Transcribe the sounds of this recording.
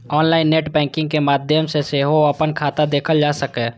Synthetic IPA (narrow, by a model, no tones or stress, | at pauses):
ɔːnlaːɪnːeːʈbɛ̃ːkɪ̃ŋɡ̚kemaːd̪ʱjəmseseɦoəpənkʰaːt̪ad̪eːkʰəld͡ʒaːsəkɛ̃ː